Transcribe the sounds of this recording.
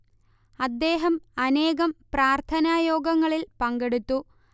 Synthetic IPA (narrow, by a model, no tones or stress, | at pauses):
ɐd̪ːe̞ːɦɐmɐneːɣɐmpraːrt̪ʰɐnaːjoːɡɐŋːɐɭilpɐŋɡe̞ɽut̪ːu